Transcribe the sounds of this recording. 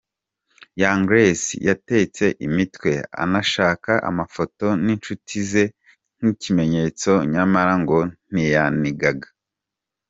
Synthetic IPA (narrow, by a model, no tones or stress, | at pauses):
jaːŋɡɾesḭjate̞t͡se̞ʔimitwe̞a̰naʃaːkaʔa̰mafo̞to̞nint͡ʃutʰize̞ | n̥icime̞ɲe̞t͡so̞ɲamaɾaŋɡo̞n̥ijaniɡaɡa